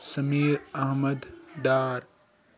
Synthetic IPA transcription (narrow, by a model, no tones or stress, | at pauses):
sɐmiːɾɐɦmɐd̪ɖaːɾ